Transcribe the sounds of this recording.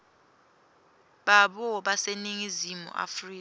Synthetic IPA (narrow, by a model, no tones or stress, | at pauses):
ɓaɓɔɓaseniŋizimṵʔa̰friːk